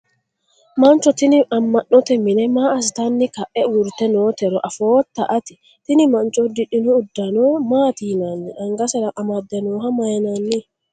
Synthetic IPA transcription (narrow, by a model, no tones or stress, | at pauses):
mant͡ʃɔt̪iniʔamːaʔːɔt̪ɛminɛmaːs̬t̪anːikaʔɛwuɾt̪ɛnoːt̪ɛɾɔʔafoːt̪ːaʔat̪i̥ | t̪inimant͡ʃʼɔd̪iɗinɔːdːanɔmaːt̪iːnanːiʔaŋɡasɛɾaʔamad̪ːɛnɔːɦamajnanːi